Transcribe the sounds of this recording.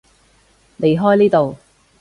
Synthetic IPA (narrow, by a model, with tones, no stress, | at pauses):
le˨˧jɦɔː˥jniː˥t̪o˨w